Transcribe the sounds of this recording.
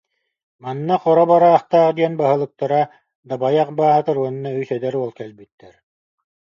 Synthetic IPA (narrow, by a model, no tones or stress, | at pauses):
manːaqɔɾɔbaɾaːχt̪aːqd̪iɛnbaɦɯ̆lˠɯ̆k̚t̪aɾa | d̪abajaqbaːɦat̪ɯɾuanːayjsɛd̪ɛɾuɔlˠkɛlbyt̪ːɛɾ